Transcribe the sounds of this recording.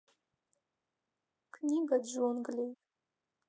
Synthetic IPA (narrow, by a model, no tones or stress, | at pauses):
kʰnʲiɡadʒɔnɡlʲejt